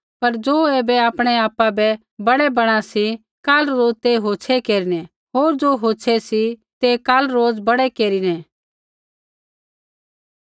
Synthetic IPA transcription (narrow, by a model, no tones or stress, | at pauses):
pɐɾd͡ʒoːeːbɛaːpɽ̃ɛaːpːabɛ | bɐɽɛbɐɽ̃ãsi | kaːlɾoːd͡zt̪eɦoːt͡ʃʰekeːɾinɛ̃ | ɦoːɾd͡ʒoɦoːt͡ʃʰɛsit̪ekaːlɾoːd͡zbɐɽɛkeːɾinɛ̃